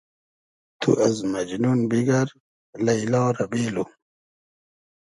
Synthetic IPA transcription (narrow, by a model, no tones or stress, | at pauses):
t̪ʰṵʔɐzmɐd͡ʑnunbiɡɐɾ | lɐilɑːɾɐbeːlu